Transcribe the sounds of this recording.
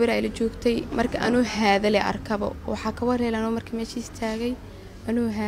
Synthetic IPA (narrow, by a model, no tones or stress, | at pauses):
ɪɾajlɐt͡ʃɔːɡt̪ʰɛjmɐrkʰɐʔɐ̰nuːhaːðɐlɛʔɐ̰rkʰɐβɔ̰wɑħɑːkʰɐwɐrɛlɛanʊmɐrkʰɐmɛːʃiɪst̪ʰaːɣɛj | ɐnuːɦaː